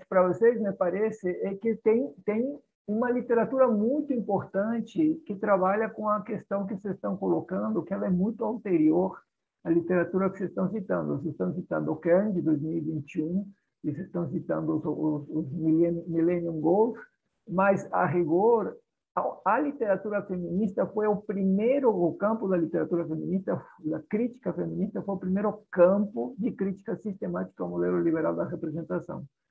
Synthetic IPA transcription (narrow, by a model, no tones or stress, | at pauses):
pɾɐvosezmɪpaɾɛsɪʔɛkɪt̪ẽj̃t̪ẽj̃ | ũmɐlit̪eɾat̪uɾɐmũj̃t̪ʊĩmpoɾt̪ɐ̃nt͡ʃɪkɪt̪ɾaβaʎɐkõɐkest̪ɐ̃w̃kɪsest̪ɐ̃w̃kolokɐ̃nd̪ʊkɪɛlɐɛmũj̃t̪ʊawt̪eɾioɾ | ɐlit̪eɾat̪uɾɐkɪ̥sest̪ɐ̃w̃sit̪ɐ̃nd̪ʊs̬est̪ɐ̃w̃sit̪ɐ̃nd̪ʊkɐ̃nd͡ʒɪd̪ojzmilivĩnt͡ʃiũ | kɪsest̪ɐ̃w̃sit̪ɐ̃nd̪ʊzsozmilenmilenjõŋɡols | masa̰reɣoɾ | aalit̪eɾat̪uɾafemĩnist̪afweopɾimeɾookãmpoðalit̪eɾat̪uɾafemĩnist̪aflakɾit̪i̥kafemĩnist̪afweopɾimeɾokãmpod̪ɪkɾit̪i̥kasist̪emat̪i̥kawmoðeloliβeɾald̪arepɾes̬ẽnt̪asõ̰ŋ̃